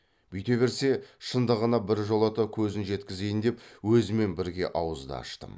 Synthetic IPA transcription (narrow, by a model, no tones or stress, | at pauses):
b̥ʏjt̪e̞βe̞ɾse̞ʃənd̪əʁənɑbɪɾʒo̞lˠɑt̪əkʲʰɵzɪnʒe̞t̪kʲɪze̞jɪnd̪e̞pwɵzɪme̞nbɪɾɡʲe̞̰ʔɑwəzd̪ɑ̰ɑ̰ʃt̪ə̰m